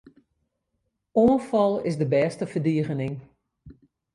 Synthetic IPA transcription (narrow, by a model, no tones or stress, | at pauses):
oənfɔlˠɪ̰sdəbɛːstəfərdiəɣənɪŋ